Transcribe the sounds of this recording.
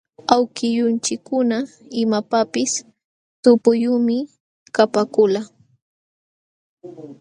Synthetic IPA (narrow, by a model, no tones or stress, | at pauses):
awkɪʎʊnt͡ʃɪkːʊna | ɪmapapɪs | t̪ʊpʊjʊmɪ | kapakʊla